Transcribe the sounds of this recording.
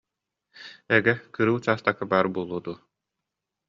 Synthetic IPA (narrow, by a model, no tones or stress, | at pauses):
ɛɡɛkɯɾɯwt͡ɕaːst̪akabaːɾbuɔlˠuːd̪u